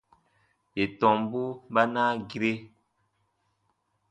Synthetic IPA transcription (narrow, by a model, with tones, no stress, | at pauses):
je˨tɔ̃˨mbu˦ɓa˦naː˦ɡi˦ɾe˦